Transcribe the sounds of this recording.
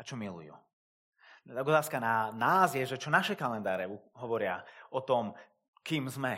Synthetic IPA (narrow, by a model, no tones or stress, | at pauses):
at͡ʃɔmilṵjṵ | t̪aɡɔt̪aːskananaːzjɛʒɛt͡ʃɔnaʃɛkalɛnd̪aːɾɛuɦɔʋɔɾɪa̰ʔɔt̪ɔm | kiːmzmɛ